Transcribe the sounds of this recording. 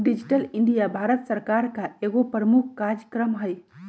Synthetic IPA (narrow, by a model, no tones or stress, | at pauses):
ɖid͡ʒiʈəliɳɖijabʱaːɾət̪sɐɾkaɾkaeɡopɾəmukʰkaɾjəkɾəmɦəj